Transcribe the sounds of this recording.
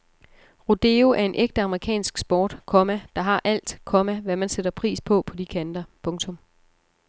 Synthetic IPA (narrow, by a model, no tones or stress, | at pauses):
ʁod̥e̝ːoʔæɐe̝nʔeɡ̥̚d̥əɑ̈məʁikʰɛ̰ːnsɡ̥sb̥ɒːd̥kʰɒ̽mæd̥ɑ̈ɦɑ̈ʔæl̰d̥kʰɒ̽mæʋæmænsed̥ɐpʰʁḭːspʰɒ̽pʰɒ̽d̥ikʰænd̥ɐpʰɔ̽ŋt͡sʰɔ̽m